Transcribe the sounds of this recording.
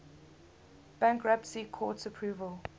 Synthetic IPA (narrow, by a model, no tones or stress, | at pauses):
b̥ãŋkʰɹapsikʰɔːtəpʰɹuːvəl